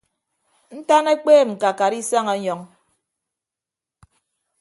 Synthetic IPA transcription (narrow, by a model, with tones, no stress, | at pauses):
n̩˦ta˦ne˦k͡peː˦˨m̩˨ka˨ka˨ɾi˦sa˦ŋa˨˦ɲɔ˨ŋ